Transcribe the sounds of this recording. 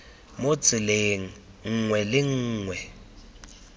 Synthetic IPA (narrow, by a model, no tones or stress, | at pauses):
mot͡sʼɪleːŋ̩ | ŋ̩ŋwɛlɪŋ̩ːŋwɛ